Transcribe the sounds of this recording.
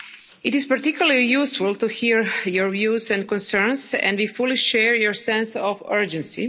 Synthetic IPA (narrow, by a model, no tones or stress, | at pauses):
ɪtispaɾt̪ikʰjulalijusfulˠt̪uhiɹjɔɹvjuːzɛ̃nkɔ̃nsɛɹnsɛ̰̃ndwifuliʃɛɹjɔɹsɛ̃nsɔfɜ˞d͡ʒɛ̃nsḭ